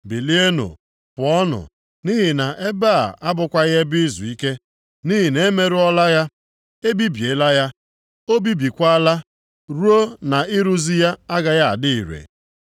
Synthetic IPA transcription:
bi˨li˦e˦no̰˨ | pʊ˨ɔ˦nʊ̰˨ | ni˦ɦi˨na˨ʔe˦ba˦˨a˦bʊ˨kʷa˦ɣe˦bɪ˦zu˨i˦ke˦ | ni˦ɦi˨ne˦me˦ɾʊ˦ɔ˦la˦ja˦ | e˦bi˦bje˨˦la˦ja˦ | o˦bi˦bi˨kʷa˦la˦ | ɾu˦o˦na˨ɪ˦ɾu˦zi˦ja˦a˦ɡa˨ja˦a̰˨dɪ˦i˨ɾḛ˨

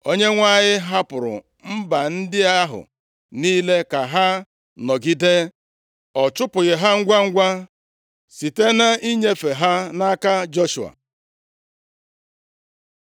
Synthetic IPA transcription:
o˦ɲe˦ŋʷa˦˨ɲɪ˦ɦa˦pʊ˨ɾʊ̰˨ | m̩˦ba˨n̩˦dɪ˦a˦ɦʊ̰˨ | niː˦le˦ka˨ɦa˦ | nɔ˨ɡi˦de˦ | ɔ˨t͡ʃʊ˦pʊ˨ɣɪ˨ɦa˦ŋ̩˦ɡʷa˦ŋ̩˦ɡʷa˦ | si˨te˦na˦i˦ɲe˦fe˨ɦa˦na˦ka˦d͡ʒo˦ʃu˨a̰˨

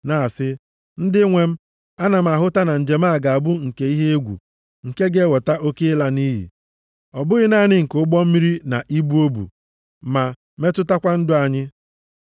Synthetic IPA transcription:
na˨sɪ˦ | n̩˦dɪ˦ŋʷe˨m̩˦ | a˦na˨m̩˨a˨ɦʊ˦ta˦na˨n̩˨d͡ʒe˨m̩˦a˦˨ɡa˨a˨bʊ˦ŋ̩˨ke˨i˦ɦe˦e˦ɡʷṵ˨ | ŋ̩˨ke˦ɡe˦wɔ˨ta˦ʔo˦ke˦ɪ˦la˦ni˦ɦḭ˨ | ɔ˨bʊ˦ɣɪ˦na˦˨nɪ˦ŋ̩˨kʊ˦ɡ͡bɔ˦m̩˦mi˦ɾi˦na˨ʔi˦bu˦o˦bṵ˨ | ma˨ | me˦tʊ˦ta˦kʷa˦n̩˦dʊ˦a˨ɲɪ˦

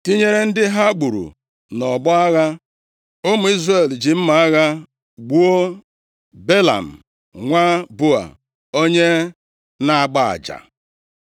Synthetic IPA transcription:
ti˦ɲe˦ɾe˦n̩˦dɪ˦ɦa˦ɡ͡bu˨ɾṵ˨ | nɔ˨bɔ˦a˦ɣa˦ | o˦mʊ˨i˦zre˨ld͡ʒi˨m̩˦ma˨a˦ɣa˦ | ɡ͡bu˦o˦ | be˦la̰˨m̩˨ | ŋʷa˦bʊ˦a̰˨ | o˦ɲe˦ | na˨a˨ɡ͡ba˦a̰˨d͡ʒa̰˨

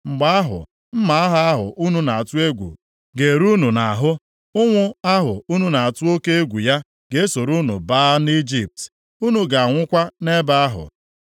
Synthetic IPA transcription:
ŋ͡m̩˨ɡ͡ba˦a˦ɦʊ̰˨ | m̩˦ma˨a˦ɦa˦a˦ɦʊ̰˨ʔu˦nu˦na˨a˨tʊ˦e˦ɡʷṵ˨ | ɡe˨ɾu˦nu˨na˨ɦʊ˦ | ʊ˦ŋʷʊ˦a˦ɦʊ˨u˦nu˦na˨a˨tʊ˦o˦ke˦e˦ɡʷu˨ja˦ | ɡe˦so˨ɾu˦nṵ˨baː˦ni˦d͡ʒi˦p̚t | u˦nu˨ɡa˨a˨ŋʷʊ˦kʷa˦ne˦ba˦a˦ɦʊ̰˨

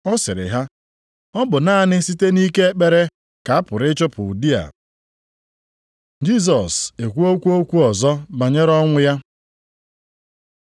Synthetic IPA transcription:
ɔ˦sɪ˨ɾɪ̰˨ɦa˦ | ɔ˦bʊ˨na˦nɪ˦si˦te˦ni˦ke˦e˦k͡pe˦ɾe˦ | ka˨a˦pʊ˨ɾɪ˦t͡ʃʊ˦pʊ˨u˨di˦a̰˨ | d͡ʒi˦s̬ɔ˨se˨kʷu˦o˦kʷu˦o˦kʷu˦ɔ˨zɔ˦ba˨ɲe˦ɾɔ˦ŋʷʊ˦ja˦

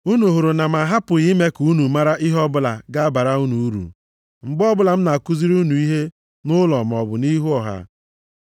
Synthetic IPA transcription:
u˦nu˨ɦu˨ɾu˨na˨ma˨ɦa˦pʊ˨ɣi˦me˦ku˨˦nu˨ma˦ɾa˦ʔi˦ɦɔ˦bʊ˦la̰˨ɡa˦ba˨ɾa˦u˦nu˨u˦ɾṵ˨ | ŋ͡m̩˨ɡ͡bɔ˦bʊ˦la˨m̩˦na˨ku˦zi˦ɾu˦nu˨i˦ɦe˦ | nʊ˦lɔ˨m˨ɔ˨bʊ˨ni˦ɦu˦ɔ˨ɦa̰˦

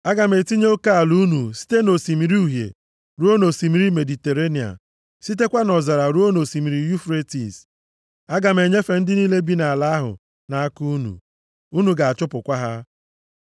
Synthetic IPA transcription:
a˦ɡa˨me˨ti˦ɲ˦o˦ka˦a˨lu˦nu˨si̥˦te˦no˨si˨mi˨ɾi˦u˨ɦjḛ˨ | ɾu˦o˦no˨si˨mi˨ɾi˦me˨di˨te˨ɾe˦ni˨a̰˨ | si˦t̬e˦kʷa˦nɔ˨za˨ɾa˨ɾu˦o˦no˨si˨mi˨ɾi˨ju˦fɾe˦tḭ˨s | a˦ɡa˨m˦e˨ɲe˦fe˨n̩˦dɪ˦niː˦le˦bi˦na˨a˨la˦ɦʊ̰˨ | na˨a˦ku˦u˦nṵ˨ | u˦nu˨ɡa˨a˨t͡ʃʊ˦pʊ˨kʷa˦ɦa˦

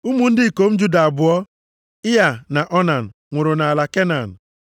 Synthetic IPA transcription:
u˦mu˨n̩˦dɪ˦˨ko˨˦m̩˦d͡ʒu˦da˨a˨bʊ˨ɔ˦ | ɪ˦ja˨na˨ʔɔ˦na˨n̩˨ | ŋʷʊ˨ɾʊ˨na˨a˨la˨ke˦na˨n̩˨

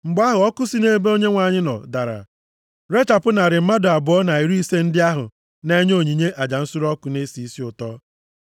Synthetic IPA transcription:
ŋ͡m̩˨ɡ͡ba˦ɦʊ˨ɔ˦kʊ˦si˦ne˦be˦o˦ɲe˦ŋʷa˨ɲɪ˦nɔ̰˨da˨ɾa̰˨ | ɾe˦t͡ʃa˨pʊ˦na˨ɾɪ˨m̩˦ma˦dʊ˨a˨bʊ˨ɔ˦na˨i˨ɾi˦se˦n̩˦dɪ˦a˦ɦʊ̰˨ | ne˦ɲo˦˨ɲi˨ɲe˦ʔa˨d͡ʒa˨n̩˦sʊ˦ɾɔ˦kʊ˨ne˦si˨i˦si˦ʊ˨tɔ˦

